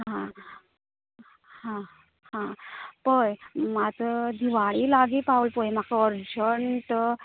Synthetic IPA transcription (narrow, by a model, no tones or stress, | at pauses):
ɦã | hã | hãpəjmat̪əd̪ʱiʋaɭilaɡiːpaulpəjmakaəɾd͡ʑəɳt̪ə